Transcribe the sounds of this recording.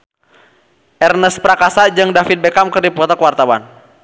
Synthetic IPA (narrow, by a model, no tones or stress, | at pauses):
ʔɛrnəspɾakasad͡ʒɨŋdafit̪̚bɛkamkɨrdipɔt̪akəwart̪awan